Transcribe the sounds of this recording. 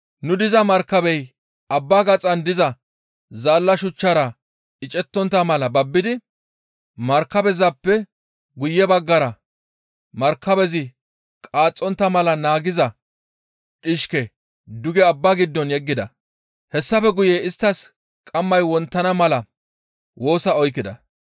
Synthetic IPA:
nʊd̪ɪzɐmɐɾkːɐbɛj | ʔɐbːaːɡɐt͡sʼɐnd̪ɪzɐ | zaːlːɐʃʊt͡ʃːɐɾɐ | ɪt͡ʃʼɛt̪ːɔnt̪ːɐmɐlɐbɐbːɪd̪ɪ | mɐɾkːɐbɛzɐpːɛ | ɡʊjːɛbɐɡːɐɾɐ | mɐɾkːɐbɛzɪ | kʼaːt͡sʼːɔnt̪ːɐmɐlɐnaːɡɪzɐ | ɗɪʃkɛ | d̪ʊɡɛɐbːaɡɪd̪ːɔnjɛɡːɪd̪ɐ̰ | hɛsːɐfɛɡʊjeːɪst̪ːɐs | kʼɐmːɐjwɔnt̪ːɐnɐmɐlɐ | wʔo̞ːsɐɔjkːɪd̪ɐ̰

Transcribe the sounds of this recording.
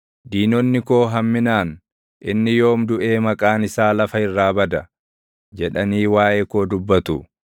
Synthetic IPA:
d̪iːnɔnːɪko̞ːɦɐmːɪnaːn | ʔɪnːɪjo̞ːmd̪ʊʔe̞ːmɐkʼaːnɪsaːlɐfɐɪrːaːbɐd̪ɐ | d͡ʒɛᶑɐniːwaːʔeːko̞ːd̪ʊbːɐt̪ʊ

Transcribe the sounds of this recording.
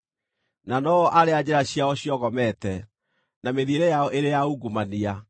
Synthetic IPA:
nanɔɔʔaɾead͡ʑeɾaɕiaɔɕjɔɣɔmɛtɛ | nameðieɾɛjaɔʔeɾejauɡumania

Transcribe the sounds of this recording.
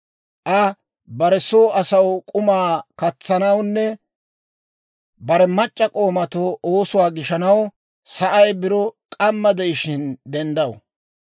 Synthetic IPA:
ʔɐ | bɐɾɛsoːɐsɐwkʼʊmaːkɐt͡sːɐnɐwnːɛ | bɐɾɛmɐt͡ʃʼːɐkʼo̞ːmɐt̪ooːsʊwaːɡɪʃɐnɐw | sɐʔɐjbɪɾɔkʼɐmːɐd̪ɛjɪʃɪnd̪ɛnd̪ɐwʊ

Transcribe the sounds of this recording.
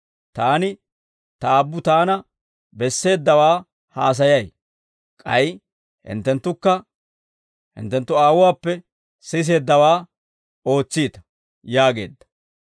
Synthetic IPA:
t̪aːnɪ | t̪ɐːbːʊt̪aːnɐ | bɛsːe̞ːd̪ːɐwaː | haːs̬ɐjɐj | kʼɐj | hɪ̰nt̪ːɛnt̪ːʊkːɐ | hɪ̰nt̪ːɛnt̪ːʊaːwʊwaːpːɛ | sɪs̬e̞ːd̪ːɐwaː | o̞ːt͡sːiːt̪ɐ̥ | jaːɡe̞̰ːd̪ːɐ̥

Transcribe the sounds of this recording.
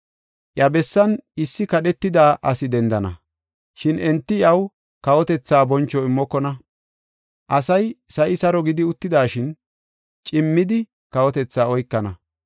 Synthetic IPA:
ʔjɐbɛsːɐnɪsːɪkɐɗɛt̪ːɪd̪aːʔɐsɪd̪ɛnd̪ɐnɐ̰ | ʃɪnɛnt̪ːɪɪɐw | kɐwɔt̪ɛt͡sːaːbɔnt͡ʃːɔɪmːɔkːɔnɐ | ʔɐsɐjsɐjɪsɐɾɔɡɪd̪ɪʊt̪ːɪd̪aːʃɪn | t͡ʃʼɪmːɪd̪ɪ | kɐwɔt̪ɛt͡sːaːɔjkːɐnɐ

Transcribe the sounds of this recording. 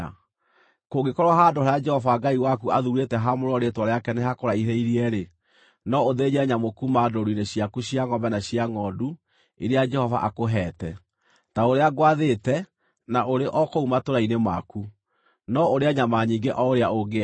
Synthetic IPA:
koɡekɔɾwaɦaːdohaɾajad͡ʒɛhɔvaɡaiwakuaðuɾetɛɦamoɾɔɾetwɔɾeakɛneɦakoɾaihɛiɾiɛɾe | nɔoðeɲɛɲamokumadoɾuineɕjakuɕiaŋɔmbɛnaɕiaŋɔdu | iɾead͡ʒɛhɔva̰ʔakoɦɛːtɛ | taoɾeaɡwaðetɛ | naʔoɾeʔɔkoumatoɾainemaku | nɔoɾeaɲamaɲiːŋɡeʔɔoɾeaoɡe

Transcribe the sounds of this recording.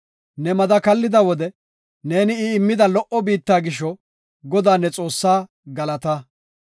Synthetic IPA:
nɛmɐd̪ɐkɐlːɪd̪ɐwɔd̪ɛ | ne̞ːnɪɪːmːɪd̪ɐlɔʔɔbiːt̪ːaːɡɪʃːɔ | ɡɔd̪aːnːɛt͡sʼo̞ːsːaː | ɡɐlɐt̪ɐ

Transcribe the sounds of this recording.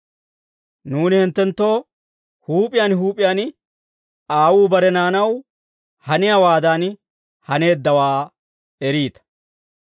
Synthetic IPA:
nuːnɪhɪnt̪ːɛnt̪ːo̞ː | huːpʼɪjanɦuːpʼɪjaːn | aːwuːbɐɾɛnaːnɐw | hɐnɪjawaːd̪aːn | hɐne̞ːd̪ːɐwaː | ɛɾiːt̪ɐ̥

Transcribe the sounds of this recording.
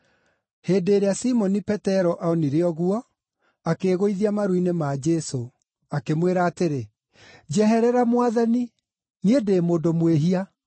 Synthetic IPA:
heːdeːɾeasimɔnipɛtɛɾɔʔaɔniɾeɔɣuɔ | akeːɣoiðiamaɾwinemad͡ʒɛso | akemweɾaːteɾe | d͡ʒɛɦɛɾɛɾamwaðani | niedeːmoːdomweɦia

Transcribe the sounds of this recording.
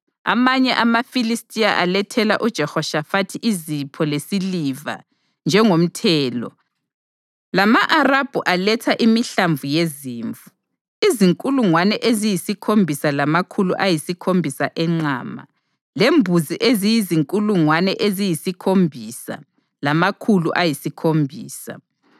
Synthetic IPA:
a̰maɲɛʔamafilistʼijaʔalɛtʰɛla̰ʔud̥ʒ̥ʱɛhɔʃafatʰiʔizipʰɔlesiliva̰ | nd͡ʒʱɛŋom̩tʰɛːlɔ̰ | lamaʔarab̥ʱuʔalɛtʰaʔimiɬaɱvujeziːɱvu | iziŋkʼuluŋwanɛʔezijisikʰombʱisalamakʰuluʔajisikʰombʱisaʔɛŋ͡ǀa̰ːma̰ | lembʱuziʔezijiziŋkʼuluŋwanɛʔezijisikʰombʱisa̰ | lamakʰuluʔajisikʰombʱiːsa̰

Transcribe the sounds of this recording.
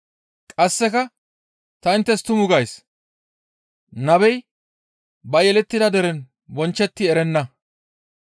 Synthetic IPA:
kʼɐsːɛkɐ | t̪ɐɪnt̪ːɛst̪ʊmʊɡɐjs | nɐbɛj | bɐjɛlɛt̪ːɪd̪ɐd̪ɛɾɛn | bɔnt͡ʃːɛt̪ːɪɛɾɛnːɐ

